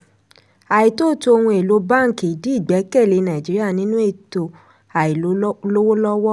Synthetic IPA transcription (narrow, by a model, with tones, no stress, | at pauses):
a˨i˨to˦˨to˧o˧hũ˧e˨lo˨˦ba˦˨ki˨i˨di˨˦i˦˨ɡ͡bɛ˨˦kɛ˦˨le˨˦˧nã˨i˨d͡ʒi˨˦ɾi˦a˦˨nĩ˨˦nũ˦e˦˨to˨ | a˨i˨lo˨˦lo˦wo˦lɔ˦wɔ˦